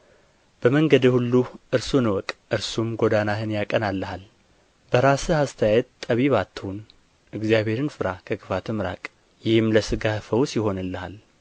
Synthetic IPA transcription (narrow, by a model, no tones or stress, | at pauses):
b̥əməŋɡəd̪əhulːuʔɨɾsunwɔkʼʔɨɾsumɡo̞d̪anahɨnjakʼənalːəhal | b̥əɾasɨhast̪ʰəjajɛt̪t̪ʼːəβiβat̪ʰːəhun | ʔɨɡzjaβhe̞ɾɨnfɨɾakʰəkʰʼɨfat̪ʰɨmɾa̰kʼ | jɪhɨmləsɨɡahfəwsɪho̞nɨlːəha̰l